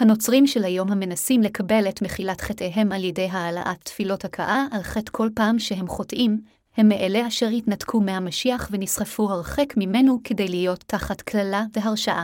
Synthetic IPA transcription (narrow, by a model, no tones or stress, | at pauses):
hano̞t͡sʁimʃelhajo̞mhame̞nasimle̞kʰabe̞letmeχilatχeteɦe̞maljede̞jɦaːla̰ʔatːfilo̞thakʰa̰ʔaʔalχetkʰo̞lpaːmʃeɦe̞mχo̞tʔim | he̞mːeʔeleaʃe̞ʁhitnatkʰumehamaʃiaχvenisχafuhaʁχekmime̞nukʰe̞de̞jlijo̞tʰːaχatkʰlalaveɦaʁʃaʔa